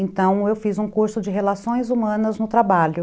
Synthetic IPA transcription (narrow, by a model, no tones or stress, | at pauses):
ẽt̪ɐ̃w̃ewfizũkuɾsʊd͡ʒɪɦelasõj̃zumɐ̃nɐznʊt̪ɾabaʎʊ